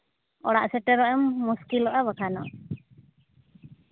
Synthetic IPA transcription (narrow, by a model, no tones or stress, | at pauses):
ɔɽa̰ʔsɛʈɛɾaʔɛmːuskilɔʔaβakʰanɔ̰